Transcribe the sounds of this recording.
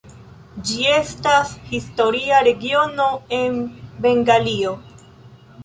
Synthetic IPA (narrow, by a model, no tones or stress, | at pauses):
d͡ʒie̞stashisto̞ɾiaɾe̞ɡio̞no̞e̞nbe̞ŋɡalio̞